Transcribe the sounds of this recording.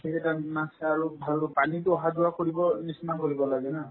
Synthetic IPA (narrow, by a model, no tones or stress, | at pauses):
keɛtanasaɹubʱalpanituɔɦad͡ʒuakɔɹibɔnisnakoɹibɔlaɡɛna